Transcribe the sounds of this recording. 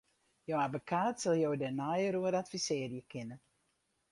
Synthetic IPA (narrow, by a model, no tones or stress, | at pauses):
jowabəkʰaːtsɛlˠjowdɛnajəɾuəɾatfisɪːrjəkʰɪnə